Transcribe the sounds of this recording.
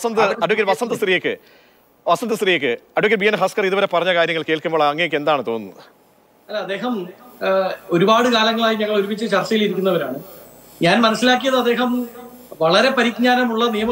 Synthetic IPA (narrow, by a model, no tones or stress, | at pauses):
ɐsɐnd̪ɨɐɖukːɐɾʋɐsɐnd̪ɨst̪rijokːɨ | ʋɐsɐnd̪ɨst̪rijokːɨɐɖokːɐɾbijɐnɦɐskɐriðuʋɐɾe̞pɐrɐɲːɐkaːɾjɐŋːɐɭkeːlkːumboːɭɐŋːɐjokːe̞nd̪aːɳɨt̪o̞ːnːɐðɨ | ɐlːɐɐd̪ːe̞ːɦɐm | o̞ɾubaːɽɨkaːlɐŋːɐɭaːjiɲɐŋːɐɭo̞ɾubit͡ɕːɨt͡ɕɐrt͡ɕɐjiliɾikʲːunːɐʋɐɾa̰ːɳɨ | ɲaːnmɐnɐsːilaːk̬ːijɐðɨɐd̪ːe̞ːɦɐmʋɐɭɐɾe̞pɐɾik̚ɲaːnɐmuɭːɐnijɐmɐ